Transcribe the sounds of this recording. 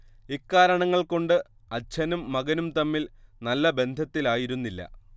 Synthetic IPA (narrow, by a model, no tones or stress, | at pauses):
ikːaːɾɐɳɐŋːɐɭko̞ɳɖɨ | ɐt͡ɕʰɐnumːɐɡɐnumt̪ɐmːilnɐlːɐbe̞nd̪ʱɐt̪ːilaːjiɾunːilːɐ̰